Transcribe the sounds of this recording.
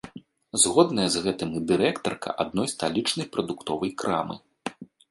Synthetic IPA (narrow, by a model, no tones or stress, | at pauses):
zɣɔd̪nɐjɐzɣɛt̪ɨmɨd̪ɨɾɛkt̪ɐrkʰɐ̰ʔa̰d̪̚nɔjst̪alʲit͡ʂnɐjpɾɐd̪ukt̪ɔvɐjkɾa̰mɨ̰